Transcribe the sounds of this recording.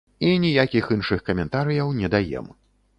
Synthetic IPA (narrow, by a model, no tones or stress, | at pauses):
inʲijakʲixɨnʂɨxkɐmʲɛnt̪aɾɨjɐwnʲɛd̪ajɛ̰m